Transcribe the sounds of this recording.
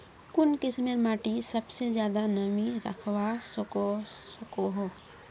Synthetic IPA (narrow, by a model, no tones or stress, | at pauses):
kʊnkɪsmɪɾmaːʈisɐbsezjaːd̪anɐmiɾɐ̰kʰwasosɐkoɦoː